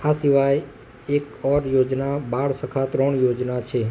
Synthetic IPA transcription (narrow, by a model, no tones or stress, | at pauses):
asiʋaj | ek | ɔɾjod͡ʒnabaɽsəkʰat̪ɾɔɳjod͡ʒnat͡ʃʰe